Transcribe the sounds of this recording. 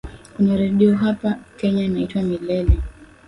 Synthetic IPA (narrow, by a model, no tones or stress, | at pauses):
kunaɾɛɗiɔɦapakɛɲanaitwamilɛlɛ